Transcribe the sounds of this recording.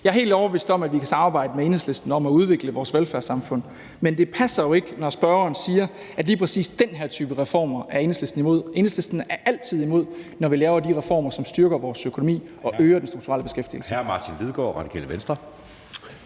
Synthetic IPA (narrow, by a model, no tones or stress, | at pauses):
jɑ̈æɐɦe̝̰ːld̥ɒʊbe̝ʋḭːsd̥ɒ̽mæ̥ʋikʰæsɑ̈mɑ̈ːbɑ̈ɪ̰d̥əmee̝nhelsle̝sd̥n̩ɒ̽mæuð̞ˠʋe̝ɡ̥ləʋɒːsʋelfæɐsɑ̈mfɔ̽n̰ | mend̥e̝pʰæsɐjo̝e̝ɡ̥ənɒsb̥ɶɐɐːnsiːɐ | æ̥liːpʰʁɛsḭːsd̥enɦæɐ̰t͡sʰyːb̥əʁɛfɒ̰ːmɐʔæɐe̝nhesle̝sd̥n̩imo̝ð̞̰ˠe̝nhelsle̝sd̥n̩æɐʔæl̰t͡sʰið̰ˠimo̝ð̞̰ˠnɒʋilɛːʊɐd̥iʁɛfɒ̰ːmɐsɒ̽msd̥yɐɡ̥ɐʋɒːsøkʰo̝no̝mḭːɒ̽ʔøːɐd̥ensd̥ʁuɡ̥̚t͡sʰuʁɑæːləb̥e̝sɡ̥efd̥ḭəl̩səæɐmɑ̈ːt͡sʰinʋið̞ˠɡ̥ɒ̰ːʁɑ̈d̥ikʰɛ̰ːləʋensd̥ʁɐ